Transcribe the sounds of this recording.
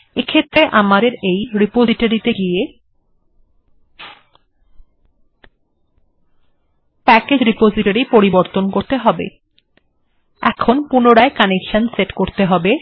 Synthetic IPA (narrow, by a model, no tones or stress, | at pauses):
ekʰet̪ːɾeʔamad̪eɾejɾipoziʈaɾit̪eɡije | pɛked͡ʑɾipod͡ʑiʈaɾipoɾiboɾt̪onkoɾt̪eɦɔbḛ | ɛkʰonpunoɽaekanekʃanseʈkoɾt̪eɦɔbe